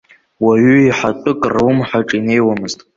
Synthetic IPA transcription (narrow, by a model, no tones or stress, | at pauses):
waɥyiħatʼʊkʼrwʊmħaʈ͡ʂʼine̞jwamɨztʼ